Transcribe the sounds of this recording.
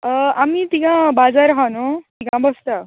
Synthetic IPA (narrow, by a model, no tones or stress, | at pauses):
əamit̪ikãbad͡zaɾɦanot̪ikãbəst̪a